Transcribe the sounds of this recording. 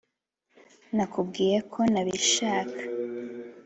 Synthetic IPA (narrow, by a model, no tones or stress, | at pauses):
nakub̚ɡiːɾekʰo̞naβiʃaːkʰḁ